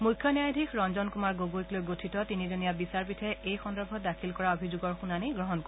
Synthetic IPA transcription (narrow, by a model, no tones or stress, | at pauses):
mukʰjɔnjajadʱikʰɹɔnzɔnkumaɹɡoɡoiklojɡotʰitɔtinizonijabisaɹpitʰɛejxɔndɔbʱɔtdakʰilkɔɹaobʱizoɡɔɹxunaniɡɹɔɦɔnkɔ